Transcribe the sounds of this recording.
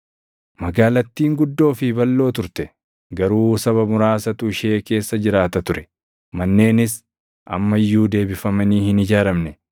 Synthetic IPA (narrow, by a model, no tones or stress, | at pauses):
mɐɡaːlɐt̪ːiːŋɡʊd̪ːo̞ːfɪbɐlːo̞ːt̪ʊɾt̪ɛ | ɡɐɾuːsɐβɐmʊɾaːsɐt̪ʊɪʃe̞ːke̞ːsːɐd͡ʒɪɾaːt̪ɐt̪ʊɾɛ | mɐnːe̞ːnɪs | ʔɐ̰mːɐjːuːd̪e̞ːbɪfɐmɐniːhɪnɪd͡ʒaːɾɐmnɛ